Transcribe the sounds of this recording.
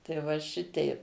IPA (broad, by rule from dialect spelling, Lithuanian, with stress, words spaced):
tɐɪ ˈʋɐ ˈʃʲɪtʲɛɪ